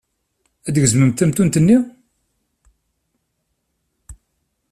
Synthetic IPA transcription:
æd̪əʝzməmt̪æmt̪unt̪ənːi

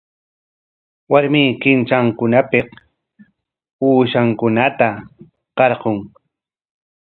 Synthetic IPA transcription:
waɾmiːkɪnt͡ʃaŋkʊnapɪq | uːʃaŋkʊnat̪a | qɑɾqoŋ

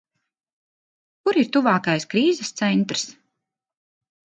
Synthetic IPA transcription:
kuɾiɾt̪uvaːkajskɾiːzɛst̪sɛnt̪ɾs

